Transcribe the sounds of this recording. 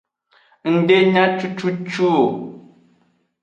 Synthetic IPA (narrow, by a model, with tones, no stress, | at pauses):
n̩˨de˦ɲa˦t͡ʃu˦t͡ʃu˦t͡ʃu˦˨